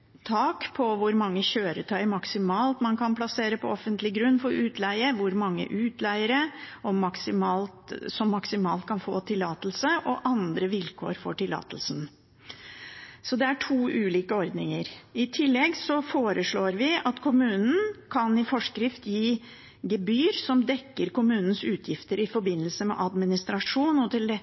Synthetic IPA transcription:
t̪ʰɑːkpʰɔʋʊɾmɑŋːəɕøːɾət̪ʰœʏəmɑksɪmɑːlt̪mɑnkɑnpʰlɑseːɾəpʰɔɔfːənt̪lɪɡɾʉnːfɔɾʉːt̪ʰlæɪəʋʊɾmɑŋːə̰ʔʉːt̪læɪəɾəɔmɑksɪmɑːlt̪sɔmːɑksɪmɑ̰ːlt̪̚kʰɑnfo̰ːt̪ʰɪlːɑːt̪əl̩səʔɔʔɑnd̪ɾəʋɪlkʰo̰ːɾfɔ̰ʈɪlɑ̰ːt̪əlsn̩ | sɔd̪ɛæʈʰuːʔʉːliːkəɔɾd̪nɪŋəɾɪt̪ʰɪlːɛɡsɔfoːɾəʂɭoːɾʋɪʔɑt̪kʰʊmʉːnn̩kʰɑnɪfɔʂkɾɪft̪jiː | ɡɛbyːɾsɔmd̪ɛkːəɾkʊmʉːnən̩sʉːt̪ʰjɪft̪əɾɪfɔɾbɪnːəlsəmɛ̰ʔɑd̪mɪnɪst̪ɾɑʂuːnɔt̪ʰɪlɛ

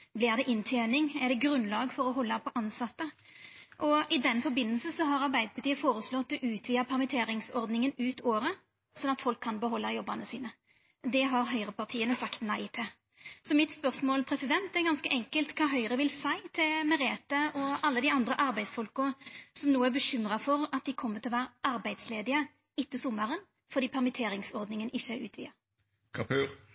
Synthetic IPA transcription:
blɪːʁd̪ɛʔɪnt̪ʰeːnɪŋɛʁd̪ɛɡɾʉnlɑːɡfɔɾɔɦɔlːɑpʰɔʔɑnsɑt̪ːəʔɔɪd̪ɛnfɔɾbɪnːəlsəsɔɦɑʁɑʁbæɪd̪əpʰɑɾt̪iːəfoːɾəslɔt̪ːd̪ɔʔʉːt̪ʰʋiːəpʰɛʁmət̪ʰeːɾɪŋsɔʁd̪nɪŋənʉːt̪oːɾə | sɔnːɑt̪fɔlkʰːɑnbəɦɔlːɑjɔbːɑnəsiːnə | d̪ɛɦɑʁɦœʏʁəpɑʁt̪ʰiːənəsɑkt̪næɪt̪ʰɪ | sɔmɪt̪spœʁsmoːlpʰʁɛsɪd̪ɛnt̪ɛɡɑnskəʔɛŋkəlt̪kʰɑːɦœʏʁəʋɪlsæɪt̪ʰɪlmɛʁeːt̪əɔɑlːəd̪ɪɑnd̪ʁəʔɑʁbæɪd̪sfɔlkʊsɔmnuːəæʁbəʃʏmʁɑfɔɾɑt̪̚d̪ɪkʰɔmːət̪ʰɪlɔʋæːɾəʔɑɾbæɪd̪̥sleːd̪ɪə | ɪt̪ːəsɔmːɑɾən | fɔʁd̪iːpʰæʁmɪt̪ʰeːɾɪŋsɔʁd̪nɪŋənɪʃːəæʉːt̪ʰʋḭːɑ | kʰɑpʰʉːʁ

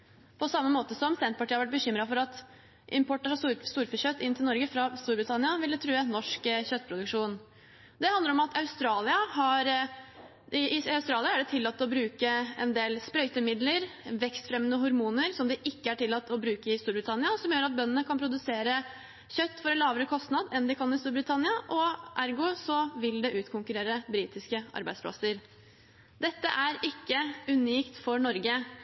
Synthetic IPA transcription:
pʰɔsɑmːəmoːt̪əsɔmsɛnt̪̚pɑʈʰiəɑɾʋæʈ̚bəɕʏmɾɑfɔɾɑt̪ | ʔɪmpʰɔʈːəʂɑsst̪uːɾfəçœt̪ːɪnt̪ʰɪlnɔɾɡəfɾɑst̪uːɾbɾɪt̪ʰɑnɪɑʋɪld̪ɛt̪ʰɾʉːɛnɔʂkçœt̪ːpʰɾʊd̪ʉkʂuːn | d̪ɛhɑnd̪əɾɔmɑt̪ʰɑʉst̪ɾɑːlɪɑhɑɾ | ɪɪɑʉst̪ɾɑːlɪɑæɖɛt̪ʰɪlːɑt̪ːɔbɾʉːkəɛ̰nd̪eːlspɾœʏt̪əmɪd̪ləɾʋɛkst̪fɾɛmːənəɦʊɾmuːnəɾsɔmd̪ɛʔɪkːəæʈʰɪlːɑt̪ːɔbɾʉːkəɪst̪uːɾbɾɪt̪ʰɑnːɪɑsɔmjøːɾɑt̪̚bœnːənəkʰɑnpʰɾʊd̪ʉseːɾə | çœt̪ːfɔɾɛlɑːʋəɾəkʰɔst̪nɑd̪ɛnd̪ɛkʰɑnːɪst̪uːɾbɾɪt̪ʰɑnɪɑʔɔʔæɾɡʊsɔʋɪld̪ɛʔʉːt̪kʰʊŋkʉɾeːɾəbɾiːt̪ɪskəʔɑ̰ɾbæɪd̪spʰlɑ̰səɾ | d̪ɛt̪ːə̰ʔæɾɪkːəʉniːkt̪fɔɳɔɾɡə

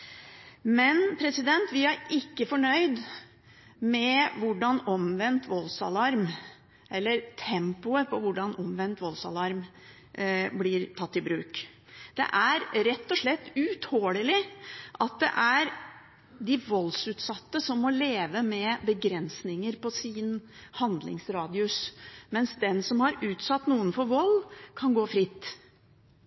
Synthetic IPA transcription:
mɛnpʰɾɛsɪd̪ɛnt̪ʋɪæɾɪkːəfɔɳœʏd̪ | mɛʋʊɖɑnɔmʋɛnt̪ʋɔlsɑ̰lɑɾm | ʔɛlːəɾt̪ʰɛmpʊəpʰɔʋʊɖɑnʔɔmʋɛnt̪ʋɔlsɑ̰lɑɾm | blɪɾt̪ʰɑt̪ːɪbɾʉːkd̪̥ɛ̰ʔæɾɾɛt̪ːɔʂɭɛt̪ːʉt̪ʰhoːɽəlɪʔɑt̪̚d̪ɛ̰ʔæɾ | d̪ɪʋɔlːsʉːt̪sɑt̪ːəsɔmːɔleːʋəmɛbəɡɾɛnsnɪŋəɾpɔsiːnhɑnd̪lɪ̰ŋsɾɑːd̪ɪʉsmɛnsd̪ɛnsɔmhɑɾʉːt̪sɑt̪ːnuːənfɔɾʋɔlkʰɑnɡoːfɾɪt̪ː

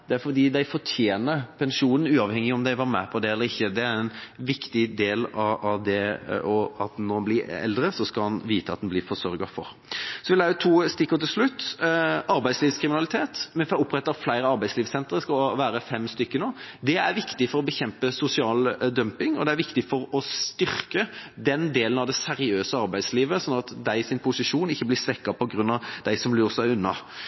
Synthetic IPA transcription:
d̪̥ɛæɾfɔd̪iːd̪æɪfɔt̪ʰjeːnəpʰɛnʂuːnn̩ʉːɑʋhɛŋːɪɔmd̪æɪʋɑɾmæpʰɔd̪ɛɛlːəɾɪçːəd̪ɛæɾɛnʋɪkt̪ɪd̪eːlɑɑʋd̪ɛɔɑt̪̚nɔɾɑnblɪɛ̰ld̪ɾəsɔskɑlɑnʋiːt̪əɑt̪d̪nblɪfɔsœɾɡɑfɔ̰ɾ | sɔʋɪlæət̪ʰuːst̪ɪkːəɾt̪ʰɪlslʉt̪ː | ɑɾbæɪsliːʋskʰɾɪmɪnɑlɪt̪ʰeːt̪mɛnfɔɑʊpːɾɛt̪ːɑflæɪɾəɑɾbæɪsliːʋsɛnt̪əɾskɑʋæːɾəfɛmst̪ʏkːənoːd̪ɛæɾʋɪkt̪ɪfɔɾɔbəçɛmpəsʊsɪɑːld̪œmpɪŋɔd̪ɛæɾʋɪkt̪ɪfɔɾɔst̪ʏɾkəd̪ɛnd̪eːlənɑʋd̪ɛsæɾɪøːsəɑɾbæɪsliːʋəsɔnːɑt̪d̪æɪɪsɪnpʰʊsɪʂuːnɪçːəblɪsʋɛkːɑpʰɔɡɾʉnːɑʋd̪æɪsɔmlyːʁsæɪʉnːɑ̰

